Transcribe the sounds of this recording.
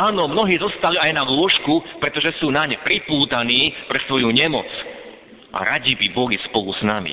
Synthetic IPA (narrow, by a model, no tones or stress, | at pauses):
aːnɔmnɔɦiːzɔst̪aliajnaɡʊɔʃkupɾɛt̪ɔʒɛsuːnaɲpɾipuːt̪aniːpɾɛsʋɔjuɲɛmɔ̰t͡s | ʔa̰ɾaɟibibɔlispɔlusnamḭ